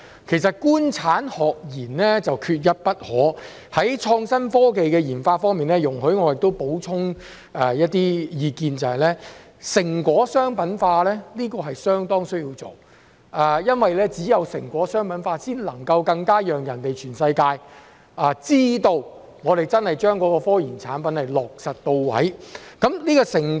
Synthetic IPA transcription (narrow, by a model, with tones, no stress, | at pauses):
kʰe˨˩s̬ɐ˨t̚kuː˥nt͡sʰaː˨˥nhɔː˨k̚jiː˨˩nlɛː˥t͡sɐ˨wkʰyː˧t̚jɐ˥t̚pɐ˥t̚hɔː˨˥ | hɐ˨˥jt͡ʃʰɔː˧ŋsɐ˥nfɔː˥ke˨jkɛː˧jiː˨˩nfaː˧t̚fɔː˥ŋmiː˨nlɛː˦˥jʊ˨˩ŋɦɵ˨˥ɥŋɔː˨˧jɪ˨k̚t̪o˥wpo˨˥wt͡sʰʊ˥ŋ | ɛː˨jɐ˥t̚t̪iː˥jiː˧kiː˧nt͡sɐ˨˩hɐ˨˩jlɛː˥ | sɪ˨˩ŋkʷɔː˨˥sœː˥ŋpɐ˨˥nfaː˧lɛː˥liː˥kɔː˧ɦɐ˨jsœː˥ŋt̪ɔː˥ŋsɵ˥ɥjiː˧wt͡so̰˨˩w | aː˨jɐ˥nwɐ˨jlɛː˥t͡siː˨˥jɐ˨˧wsɪ̰˨˩ŋkʷɔː˨˥sœː˥ŋpɐ˨˥nfaː˧siː˥nlɐ˨˩ŋkɐ˧wkɐ˧ŋkaː˥jœː˨˩ŋjɐ˨˩nt̪e˨jt͡ʃʰyː˨˩nsɐ˧jkaː˧j | aː˨t͡siː˥t̪o˧w | ŋɔː˨˧ɾe˨˩jt͡sɐ˥nhɐ˨jt͡ʃœː˥ŋkɔː˨˥kɔː˧fɔː˥jiː˨˩nt͡sʰaː˨˥npɐ˨˥nhɐ˨jlɔː˨˩k̚sɐ˨t̚t̪o˧wwɐ̰˨˥jkɐ˨˥mliː˥kɔː˧sɪ˨˩ŋ